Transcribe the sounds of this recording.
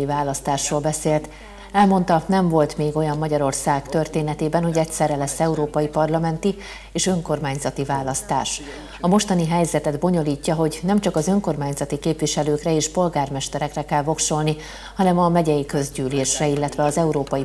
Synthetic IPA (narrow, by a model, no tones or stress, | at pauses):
ivaːlɒst̪aːʃroːlbɛseːlt̪ | ɛlmo̞nt̪ɒnɛɱvo̞lt̪meːɡo̞jɒmːɒɟɒɾo̞rsaːɡt̪ø̞rt̪eːnɛt̪eːbɛnho̞ɟɛctsɛrːɛlɛsːɛuɾoːpɒjipɒrlɒmɛnt̪i | eːʃø̞ŋko̞rmaːɲzɒt̪ivaːlɒst̪a̰ːʃ | ɒmo̞ʃt̪ɒniɦɛjzɛt̪ɛd̪bo̞ɲo̞liːcːɒɦo̞ɟnɛmt͡ʃɒkɒzø̞ŋko̞rmaːɲzɒt̪ikeːpʋiʃɛløːkrɛeːʃpo̞lɡaːrmɛʃt̪ɛɾɛkrɛkɛlvo̞kʃo̞lni | hɒnɛmɒmɛɟɛjikø̞zɟyːleːʃrɛilːɛt̪ʋɛɒzɛuɾoːpɒji